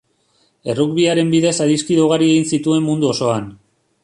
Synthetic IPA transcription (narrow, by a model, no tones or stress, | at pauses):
e̞rukβiaɾe̞mbiðe̞saðiskiðoɣ̞aɾie̞ɣinsit̪ue̞mːund̪uo̞so̞an